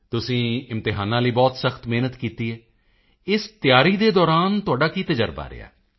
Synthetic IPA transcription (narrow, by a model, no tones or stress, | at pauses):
t̪ʊsĩːɪmt̪ɪɦaːnãːləiːbɔːt̪səxt̪meːnət̪kiːt̪iːɛː | ɪst̪ɪjaːɾiːd̪eːd̪ɔːɾaːnt̪ʊaːɖaːkiːt̪əd͡ʒəɾba̰ːɾɪ̰a̰ː